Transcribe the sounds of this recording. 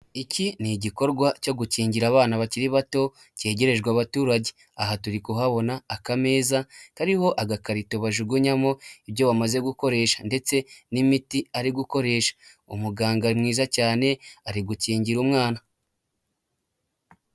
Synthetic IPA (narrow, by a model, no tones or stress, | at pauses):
iciniɟiko̞ɾɡwaco̞ɡuciːɲɟiɾaːβaːnaβaciɾiβato̞ | ce̞ːɟe̞ɾe̞ʒɡwaβatuːɾaɟe̞ | aɦatuɾikuɦaβo̞naːkame̞ːzakaɾiho̞ʔaɡakaɾito̞βaʒuɡuɲamo̞ibjo̞βamaze̞ɡuko̞ɾe̞ːʃḁnde̞t͡se̞nimitiaɾiɡuko̞ɾe̞ːʃḁ | umuɡaːŋɡaɾimŋiːzacaːne̞aɾiɡuciːɲɟiɾumŋaːna